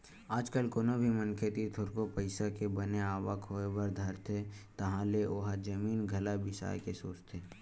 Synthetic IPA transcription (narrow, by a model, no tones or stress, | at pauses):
aːd͡ʒkəlkoːnobʱimənkʰet̪it̪ʰʊɾkopəɪsakebəneaːʋəkʰɦoːebəɾd̪ʱɐɾt̪ʰet̪ɐɦãleʔoɦad͡ʒəmiːnɡʱɐlabʱɪʃa̰ːjkesoːt͡ʃt̪ʰeː